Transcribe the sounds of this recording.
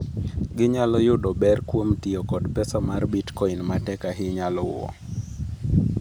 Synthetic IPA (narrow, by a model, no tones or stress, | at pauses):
ɡɪɲalɔjʊdɔbɛrkwomtɪɔkɔdpɛsamarbitkɔinmatɛkaɦɪɲalɔwɔ̰